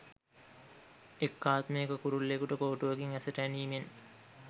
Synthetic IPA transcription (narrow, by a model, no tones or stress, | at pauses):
ekːaːt̪mejːkəkuɾulːekuʈəkoːʈuʋɐkiŋæsəʈæniːmen